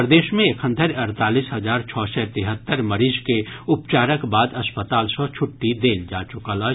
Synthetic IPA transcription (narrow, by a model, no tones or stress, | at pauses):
pɾd̪eːʃmẽekʰə̃nt̪ʰəɾɐɾt̪aːliːsɦɐzaːɾt͡ʃʰɔːsɛt̪ɪɦət̪ːəɾmɐɾiːd͡ʒkeʊpt͡ʃaːɾəkbaːd̪ɐspət̪aːlsɔt͡ʃʰʊʈːid̪eːnd͡ʒaːt͡ʃʊkaːlaː